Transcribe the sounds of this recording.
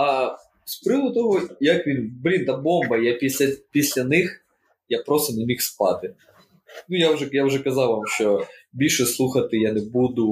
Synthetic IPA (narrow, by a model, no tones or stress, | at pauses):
ɐ | spɾɪʋˠd̪ʊt̪ɔɦɔjɐkʋʲinblʲint̪abɔmbɐjapʲisʲlʲɐpʲisʲlʲɐnɪx | japɾost̪ɐnɛmʲixspɑt̪ɪ | nujawʒɛjawʒɛkɐzɑwʋamʃt͡ʃɔbʲilʲʃɛslˠuxɐt̪ɪjanɛbud̪ʊ